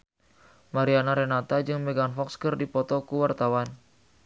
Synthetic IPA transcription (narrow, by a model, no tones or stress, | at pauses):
maɾianaɾɛnat̪ad͡ʒɨŋmɛɡanfɔkskərdipɔt̪ɔkuwart̪awan